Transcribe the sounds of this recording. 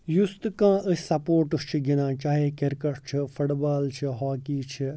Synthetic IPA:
just̪kãːʔəsʲsɐpoːɾʈust͡ʃʰiɡinãːt͡ʃaːɦeːkeɾkɐʈt͡ʃʰifʊʈbaːlt͡ʃʰiɦaːkiːt͡ʃʰi

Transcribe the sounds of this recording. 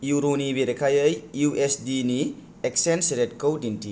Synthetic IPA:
juɾonibeɾekʰajəjjuesdini | eksensiɾet̚kowdinti

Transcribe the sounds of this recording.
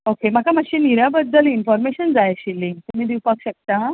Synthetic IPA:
okem̤akamaɕiniɾabəd̪ːəlinfɔɾmeɕənd͡zajaɕilːiŋɡt̪um̤iːd̪ipakɕək̚t̪a

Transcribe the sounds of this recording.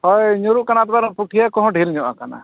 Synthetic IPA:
hɔjɲuɾuʔkanat̪baɾpuʈʰijakɔɦɔ̃ɖʱilɲɔʔa̰kana̰

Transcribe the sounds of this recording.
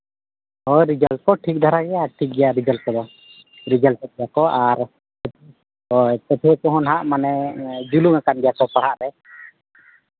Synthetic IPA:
hɔɾid͡ʒal̚kɔʈʰik̚d̪ʱaɾaɡɛjaʈʰik̚ɡɛjaɾid͡ʒalkɔd̪ɔ | ɾid͡ʒaltɛt̪̚ɛjakɔʔaɾ | t̪ɛt̪ʰɛkɔɦɔnɦaʔmanɛd͡ʒuluŋakanɡɛjakɔpaɽ̤aʔɾɛ

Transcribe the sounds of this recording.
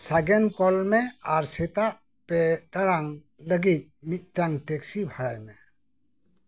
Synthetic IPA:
saɡɛnkɔlmɛaɾsɛt̪aʔ | pɛtaɽaŋ | ləɡit̪̚mit̪̚taŋʈɛksibʱaɽajmɛ

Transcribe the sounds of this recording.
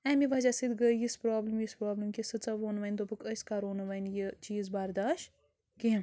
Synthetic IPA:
ɛːmiʋad͡ʒaːsid̪ɡəjispɾoːbləmjispɾoːbləmkisɨt͡sɐʋoːnʋɐnʲt̪opɨkəsʲkaːɾoːnɐʋɐnjit͡ʃiːzbaːɾd̪aːʃ | kĩ

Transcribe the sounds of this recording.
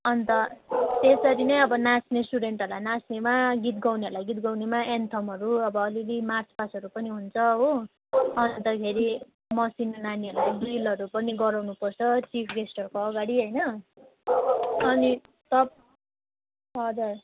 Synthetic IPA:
ʌnt̪ʌt̪esʌɾinʌjʌbʌnasnesʈuɖeɳʈʌɾlajnasnemaɡit̪̚ɡawneʌrlajɡit̪ɡawnemaent̪ʰʌmʌɾuʌbʌːlilimart͡spasʌɾupʌniɦunt͡sʰʌɦo | ʌnt̪ʌkʰeɾi | mʌsinːaniʌlajbilʌɾupʌniɡʌɾawnupʌrt͡sʰʌt͡sipʰɡesʈʌrkoʌɡaɽiɦʌjnʌ | ʌni | t̪ʌp̚ | ɦʌd͡zur

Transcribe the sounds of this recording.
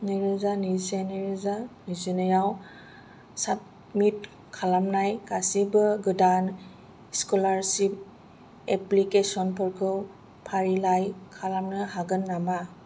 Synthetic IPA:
niɾɯzaniseniɾɯzanizinɯjaw | sat̚ | mit̚ | kʰalamnajkasibɯɡɯdan | skulaɾsip̚ | eplikesɔnpʰɯɾkʰɯw | pʰaɾilajkʰalamnɯhaɡɯnːama

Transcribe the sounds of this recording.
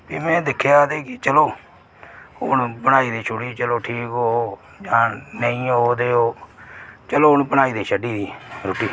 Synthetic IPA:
biːmɛ̃ːd̪ɪkʰːejaːt̪eːkɪt͡ʃəloː | ɦʊnbəɽaːiːd̪iːt͡ʃʰʊɽiːt͡ʃəloːʈʰiːkɦoː | d͡ʒãːnəĩːɦoːd̪eːoː | t͡ʃəloːʊnpənaːiːd̪iːʃəɖiːd̪iːɾʊʈːiː

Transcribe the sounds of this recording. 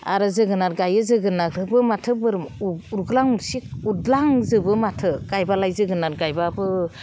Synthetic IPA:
a̰ɾɯzɯɡɯnaɾɡajɯzɯɡɯnakɾɯbɯmatʰɯbɯɾmuɾɡɯlaŋuɾsik̚udlaŋzɯbɯmatʰɯɡ̥ajbalajzɯɡɯnaɾɡajbabɯ

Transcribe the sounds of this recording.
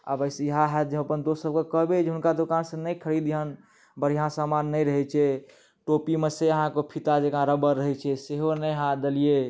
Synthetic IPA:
ə̰bəɪsjəɦãɦɛt̪d͡ʒẽəpənd̪ossəb̚kekəɦbed͡ʒɦunkad̪okansə̃nəjkʰəɾid̪ɦən | bəɽ̤ijãsamanːəjɾəɦɛt͡ʃʰɛ | ʈopimeseəɦãkopʰit̪ad͡ʒekãɾəbəɾːəɦɛt͡ʃʰɛseɦonəjɦãd̪elije

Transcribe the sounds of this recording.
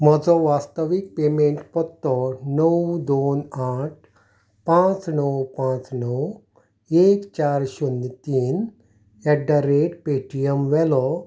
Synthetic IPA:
mɔd͡zɔʋaːst̪əʋik̚pemeɳʈpɔt̪ːɔnɔəwd̪oːnaʈ̚ | pãt͡snɔwpãt͡snɔw | eːkt͡ɕaɾɕunt̪iːn | ɛɖaɾeʈpeːʈijəmʋɛlɔ

